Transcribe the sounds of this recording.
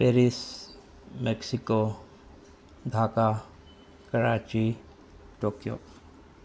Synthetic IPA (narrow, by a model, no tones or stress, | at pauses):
peːɾis | meksiko | d̪ʱaːka | kɐɾaːt͡ʃi | ʈoːkjo̰ː